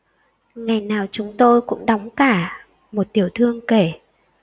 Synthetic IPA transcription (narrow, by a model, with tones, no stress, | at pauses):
ŋa˨˩jnaː˨˩wt͡ɕʊ˨˦ŋ͡mt̪o˧jkʊ̰˧˥ŋ͡mɗɔ˨˦wŋ͡mkaː˧˩ | mo˨˩t̚t̪i˧˩əwt̪ʰɨ˧əŋke˧˩